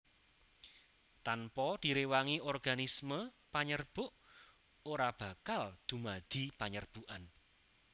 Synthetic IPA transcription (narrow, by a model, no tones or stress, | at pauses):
t̪anpɔd̪̥i̤ɾewaŋiɔrɡ̥anismə | paɲərb̥ʊʔ | oɾab̥a̤kald̪̥ṳmad̪̥i̤paɲərb̥uʔan